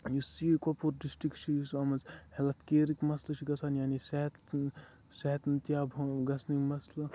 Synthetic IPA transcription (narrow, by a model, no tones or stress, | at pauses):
jisikopʰuɾɖisʈikt͡ʃʰisɐmɐzhelɐt̪ʰkeːɾikmɐslɐt͡ʃʰiɡɐsʰaːnjaːniseɦt̪ | seɦt̪nt̪jaːbʱɡɐsʰnikmɐslɐ